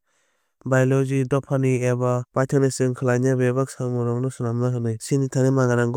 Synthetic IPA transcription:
bajlɔzidɔpʰaniebab̥ajtʰanesɯŋkʰɯlanjabebaksamɔɾɔŋnɯsunamnaɦɯnɯjsinitʰanemaŋaɾaŋɡɔ

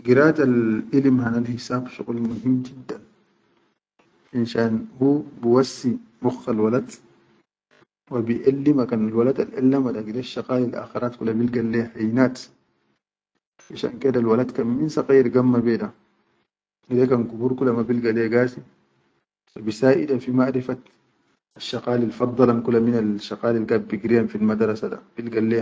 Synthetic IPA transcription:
ɡiɾaːt̪alʔilimhanalhisaːbʃṵɣlmuɦimːd͡ʒid̪ːan | ʔinʃaːnhuːbiwasːibuxːalwalad̪ | wabiʔalːimakanalwalad̪alʔɛ̰lːamadaɡideʃːaqaːlilʔa̰xiɾaːt̪kulːabilɡalːehajnaːt̪ | ʔaʃa̰nkeːdalwalad̪kamminsɑqiːɾɡamːabeːda | idekankubuɾkulamabilɡalːeːɡaːsi | fabisaːʔidafimaʕɾifat̪ | aʃːɑqaːlilfɑd̪ˤːɑlankulːaminalʃɑqaːlilkab̚biɡɾijanfilmad̪ɾˤɑsada̰b̥ilɡalːe

